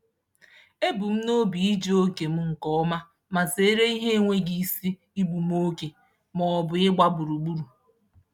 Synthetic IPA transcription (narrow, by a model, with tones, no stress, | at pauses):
e˦bu˨m̩˦no˦bi˨i˦d͡ʒo˦ke˨m̩˦ŋ̩˨kɔ˦ɔ˦ma˦ | ma˨se˨˦ɾe˦i˦ɦe˦ŋʷe˦ɡi˨si˦ | i˦bu˨m̩˦o˦ke˨ | mɔ˨ɔ˨bʊ˨ɪ˦ɡ͡ba˦bu˨ɾu˨ɡ͡bu˦ɾu˨